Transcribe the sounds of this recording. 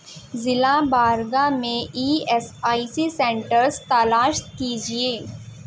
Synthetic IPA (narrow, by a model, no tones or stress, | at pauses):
zɪlabaːɾɡamẽʔiːɛsaːisisẽːɳʈəɾst̪alaːʃkiːd͡ʒieː